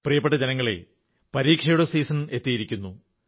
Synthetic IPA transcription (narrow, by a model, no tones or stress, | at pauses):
prijɐpːeʈːɐd͡ʑenɐŋːɐɭe̞̰ | pɐɾiːkʂɐjuɽɐsiːsɐne̞t̪ːijiɾikʲːunːu